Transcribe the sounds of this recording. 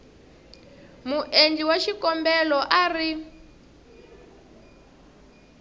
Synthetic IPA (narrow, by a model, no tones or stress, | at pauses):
muʔend͡ɮiwaʃikɔmbɛlɔʔari